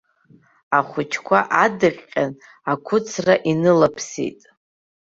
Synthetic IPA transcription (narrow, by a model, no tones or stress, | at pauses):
aχʷʊt͡ʃʰkʷʰaʔadɨqʲʼqʲʼːan | akʷʰʊt͡sʰraʔinɨlapʰsḭtʼ